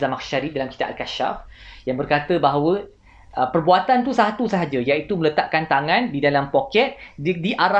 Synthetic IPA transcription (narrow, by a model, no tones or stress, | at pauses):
zamakʃaɾidalamki̥t̪a̰ʔa̰t̪kaʃa̰fjaŋbərkat̪əbaɦawə | ʔəpərbuat̪ant̪usaɦat̪usəɦad͡ʒəjait̪umələt̪aʔ̚kant̪aŋãndidalampokɛt̪̚diʔaɾa